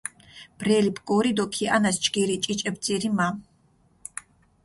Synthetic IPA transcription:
b̥ɾɛlibpɡɔɾid̪ɔkʰianast͡ʃʼɡiɾit͡ʃʼit͡ʃʼɛb̚d̪zʼiɾima

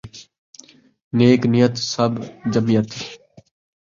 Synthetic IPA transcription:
neːknɪjət̪səbd͡ʒəmijət̪

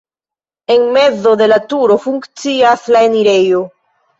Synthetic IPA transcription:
eŋmezoðe̞lat̪uɾofuŋkt͡siaslaeniɾejo

